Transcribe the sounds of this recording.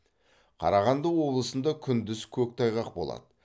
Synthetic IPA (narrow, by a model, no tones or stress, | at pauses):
qʰɑ̰ɾɑʁɑnd̪əwo̞blˠəsənd̪ɑkʲʰʏnd̪ɪzkʲʰɵk̚ʲt̪ʰɑjʁɑq̚bo̞̰lˠɑ̰d̪ə